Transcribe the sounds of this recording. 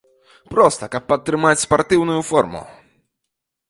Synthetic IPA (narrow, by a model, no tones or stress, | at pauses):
pɾɔst̪ɐkap̚ːɐt̪ːɾɨmat͡ɕʲspɔrt̪ɨwnujufɔɾmṵ